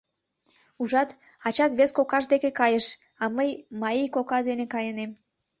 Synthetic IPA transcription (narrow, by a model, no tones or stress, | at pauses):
uʒɑt̪ | ɑt͡ɕɑt̪βeskokɑʃd̪ekekɑjəʃ | ɑməjmɑijkokɑd̪enekɑjənem